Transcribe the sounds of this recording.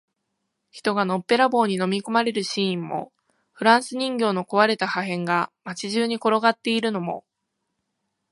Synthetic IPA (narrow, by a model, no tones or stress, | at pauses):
çi̥t̪o̞ɡano̞pːe̞ɾabo̞ːɲ̟ino̞mʲiko̞maɾe̞ɾɯ̟ɕiːĩmːo̞̰ | ɸɯ̟ɾãɰ̃sɨɲ̟ĩŋɡʲo̞ːno̞ko̞βaɾe̞t̪ahaɦẽ̞ŋɡamat͡ɕiʑɨːɲ̟iko̞ɾo̞ɡat̪ːe̞iɾɯ̟no̞mo̞̰